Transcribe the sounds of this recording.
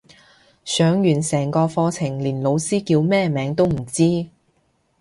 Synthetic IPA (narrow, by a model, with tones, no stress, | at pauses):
sœː˨˥ŋjyː˨˩nsɛː˨˩ŋkɔː˧fɔː˧t͡sʰɪ˨˩ŋliː˨˩nlo˨˧wsiː˥kiː˧wmɛː˥mɛː˨˧ŋt̪o˥wm̩˨˩t͡siː˥